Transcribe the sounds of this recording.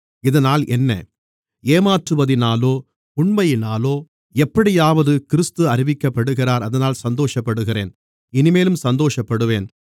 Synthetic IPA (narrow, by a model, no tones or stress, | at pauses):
ɪðɐnaːlʔɛnːɐ̰ | eːmaːʈrɯʋɐðɪnaːloː | ʊɳmɐjɪnaːloː | ɛpːɐɽɪjaːʋɐðɯkɪɾɯst̪ɯɐɾɪʋɪkːɐpːɐɽɯɣɪraːɾɐðɐnaːlsɐnd̪oːʂɐpːɐɽɯɣɪrḛːn | ɪnɪmeːlɯmsɐnd̪oːʂɐpːɐɽɯʋeːn